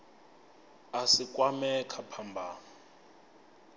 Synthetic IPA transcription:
asikʼwamɛkʰapʰambʱaː

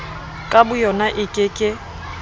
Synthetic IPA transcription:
kʼabʊjɔnaʔɪkʼɪkʼɪ

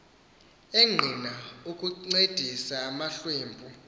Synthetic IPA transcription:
eŋ͡ǃʱinaukʼued̥ʱisaːmaɬweːmbʱu

